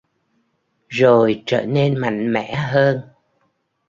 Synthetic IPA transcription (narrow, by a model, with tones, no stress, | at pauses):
zo˨˩jt͡ɕəː˧˩ne˧nma̰˧˨jŋ̟mɛ̰˧˨ɦəː˧n